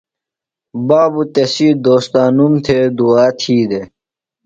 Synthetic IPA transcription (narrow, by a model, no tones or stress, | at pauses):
baːbut̪esiːd̪oːst̪aːnumt̪ʰed̪uaːt̪ʰiːd̪e